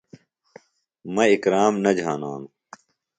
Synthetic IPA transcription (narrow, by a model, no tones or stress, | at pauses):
mɐikɾaːmnɐd͡ʑʱaːnaːnu